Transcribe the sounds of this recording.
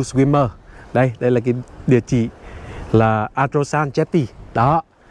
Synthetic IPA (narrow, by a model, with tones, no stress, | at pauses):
swi˧məː˧˩ɗə˧jɗə˧jlaː˨˩kaː˨˦ɗi˨˩ət͡ɕḭ˧˨laː˨˩ʔaː˧t̪ɾo˧saː˧nt͡ɕɛ˦˥p̚t̪i˧ɗɔ˨˦